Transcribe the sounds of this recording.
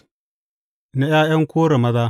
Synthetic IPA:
na˦jaː˦jɐ˦ŋkʷoː˦ɾe˨mɐ˦daː˦

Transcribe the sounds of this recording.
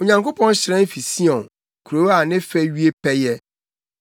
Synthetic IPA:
o˨ɲã˨ŋko˦pʰɔ̃˦n˦ɕɪ˨ɾɛ̃˦n˦fi˨si˦ɔ̃˨n | kʰu˨ɾo˨wa˨nɪ̃˦fɛ˦ɥi˦e˦pʰɛ˦jɛ˦

